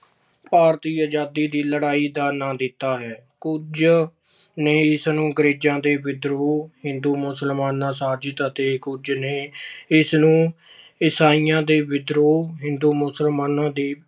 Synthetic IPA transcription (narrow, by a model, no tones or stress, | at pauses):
paːɾt̪iːəd͡ʒaːd̪iːd̪iːləɽaːiːd̪aːnãːd̪ɪt̪ːaːɦɛːkʊd͡ʒ | neːɪsnũːɡəɾeːd͡ʒãːd̪eːʋɪd̪ɾoːɦɪnd̪uːmʊsəlmaːnãːsaːd͡ʒɪt̪ət̪eːkʊd͡ʒneːɪsnũː | ɪsaːijãːd̪eːʋɪd̪ɾoːɦɪnd̪uːmʊsəlmaːnãːd̪eː